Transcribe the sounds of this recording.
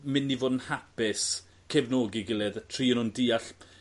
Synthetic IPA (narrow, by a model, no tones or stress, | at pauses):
mɪnːivoːdn̩hapɪs | kʰɛvnoːɡiɡɪlˠɛðtʰr̥iːənʊndiːaɬ